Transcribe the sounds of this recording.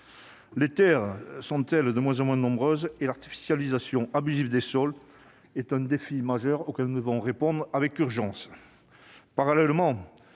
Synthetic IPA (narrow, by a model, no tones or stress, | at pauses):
let̪ɛʁsɔ̃t̪ɛld̪əmwɛ̃zɑ̃mwɛ̃nɔ̃bʁøzelaʁt̪i̥fi̥sjalizasjɔ̃ʔabyzivd̪esɔl | ɛt̪ɛ̃d̪efimaʒœʁokɛlnud̪əvɔ̃ʁepɔ̃d̪ʁavɛkyʁʒɑ̃s | paʁalɛlmɑ̃